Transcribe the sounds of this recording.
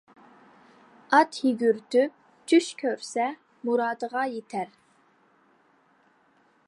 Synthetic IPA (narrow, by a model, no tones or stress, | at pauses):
ɑt̪hiɡʲyɾt̪ʰyp̚ | t͡ʃyʃkʲʰøɾsɛ | muɾɑːd̪əʁɑjet̪ʰɛɾ